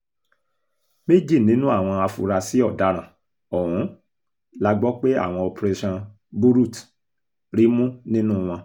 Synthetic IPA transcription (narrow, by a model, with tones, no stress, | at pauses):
me˦d͡ʒi˦˨nĩ˨˦nũ˦a˦˨w̃ɔ̃˧a˧fṵ˧ɾa˧si˦ɔ˦˨da˨˦ɾ̃ã˨ | ɔ˨ɾũ˨˦ | la˦ɡ͡bɔ˦k͡pe˦a̰˦˨w̃ɔ̃˧ɔ˧pɾe˧ʃã˧ | bu˦ɾu˦˨t | ɾi˦mũ˦nĩ˦nũ˦w̃ɔ̃˧